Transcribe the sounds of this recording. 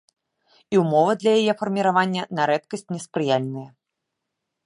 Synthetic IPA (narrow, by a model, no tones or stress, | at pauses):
iwmɔvɐd̪lʲɐjajɛfɐrmʲiɾavanʲːɐnɐɾɛt̪̚kɐsʲt͡sʲnʲɛspɾɨjalʲnɨjɐ